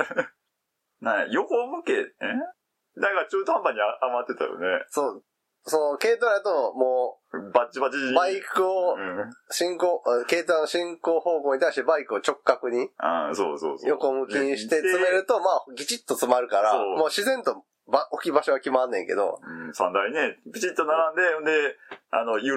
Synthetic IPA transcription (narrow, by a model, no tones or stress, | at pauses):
nãjokomɯ̟kene | d̪ãkat͡ɕoːt̪oãmbaɲ̟iaamat̪ːet̪a̰jo̰nesoː | sonoke̞ːt̪ãjat̪o̞moː | bat͡ɕibat͡ɕbaikɯ̟õɕĩŋkoːke̞ːt̪ãnːoɕĩŋkoːho̞ːkoːɲit̪aiɕt̪e̞baikɯ̟o̞t͡ɕo̞kːakɯ̟ɲ̟iã̰so̰ːso̰ːjo̞ko̞mɯ̟kʲĩɕi̥t̪e̞t͡sɨme̞ɾɯ̟t̪o̞maːɡʲit͡ɕit̪ːo̞t͡sɨmaɾɯ̟kaɾamoːɕizẽ̞nt̪o̞ | baokʲibaɕo̞βakʲimanːẽ̞ŋke̞̰d̪o̰ɯsã̰nd̪aine̞pʲit͡ɕit̪ːonaɾãnd̪e̞õnd̪ea̰nojɯ